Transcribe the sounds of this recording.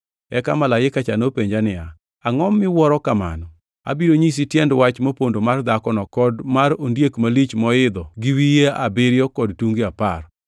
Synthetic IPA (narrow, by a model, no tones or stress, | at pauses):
ɛkamalajɪkat͡ʃanopeɲd͡ʒanɪa | aŋɔmːɪwɔɾɔkama̰nɔ | a̰biɾoɲis̬itjɛndwat͡ʃmopondomard̪akɔnɔkɔdmaɾondjekmalit͡ʃmɔɪd̪ɔɡɪwijeabɪɾjɔkɔdtuŋɡiapar